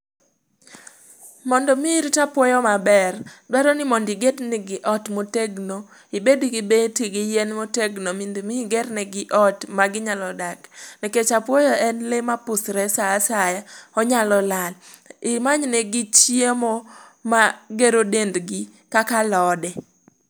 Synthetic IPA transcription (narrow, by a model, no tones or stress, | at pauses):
mɔndɔmiɾtapwɔjɔmabɛrdwaɾɔnɪmɔndiɡednɛɡɪʔɔtmoteɡno | ibediɡibetiɡɪjenmoteɡnomindimiɡɛrnɛɡɪʔɔtmaɡɪɲalɔdaknɛket͡ʃapwɔjɔɛnlemapʊsɾɛsaːsajaɔɲalɔlal | ɪmaɲnɛɡɪt͡ʃjemomaɡeɾodendɡi | kakalɔdɛ